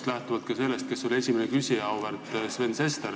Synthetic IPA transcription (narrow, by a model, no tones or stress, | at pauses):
t̪læht̪uvɑt̪kɑse̞lːest̪̚ke̞sːolʲie̞sʲimenekysʲiɑwvert̪sve̞nse̞st̪er